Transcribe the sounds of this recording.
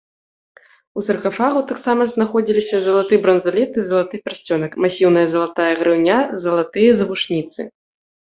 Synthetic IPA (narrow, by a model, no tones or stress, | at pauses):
usɐrkafaɣut̪aksamɐznaxɔd͡zʲilʲisʲɐzɐlˠat̪ɨbɾɐnzalʲɛt̪ɨzɐlˠat̪ɨpʲɛrsʲt͡sʲɔnɐkmasʲiwnɐjɐzɐlˠat̪ajɐɣɾɨwnʲazɐlˠat̪ɨjɐzɐvuʂnʲit̪sɨ̰